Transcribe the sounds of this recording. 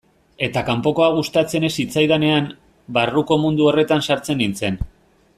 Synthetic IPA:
e̞t̪akampo̞ko̞aɣ̞ust̪at͡se̞ne̞sit͡sajðane̞am | baruko̞mund̪uo̞re̞t̪ansaɾt͡se̞nint͡se̞n

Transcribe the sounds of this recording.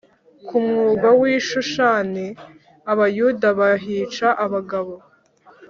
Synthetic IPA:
kumŋuːɡawiːʃuʃane | aβajudaβaɦiːt͡ʃaʔaβaɡaβo̞

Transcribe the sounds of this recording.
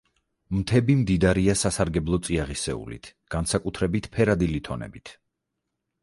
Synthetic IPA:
mt̪ʰɛbimd̪id̪aɾiasasaɾɡɛblˠɔt̪sʼiaʁisɛ̰ṵlḭt̪ʰɡ̥ansakʼut̪ʰɾɛbit̪ʰpʰɛɾad̪ilit̪ʰɔnɛ̰bit̪ʰ

